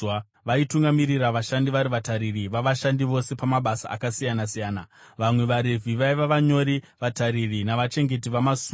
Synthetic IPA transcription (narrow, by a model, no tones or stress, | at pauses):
ʋaituŋɡamiriraʋaʃandiʋaɾiʋataɾiriʋaʋaʃandiʋo̞se̞pamaɓasa̰ːkasijanasijaːnaʋamwe̞ʋaɾe̞vʱiʋaiʋaʋaɲo̞ɾi | ʋataɾirinaʋat͡ʃe̞ŋɡe̞t̬iʋamasu